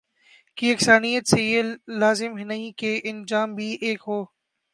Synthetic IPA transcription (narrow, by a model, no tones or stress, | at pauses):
kiːɐksaːnijət̪seelaːzɪmɦɪnəiːkeːʔɪnd͡ʒaːmbʱiːʔeːkɦoː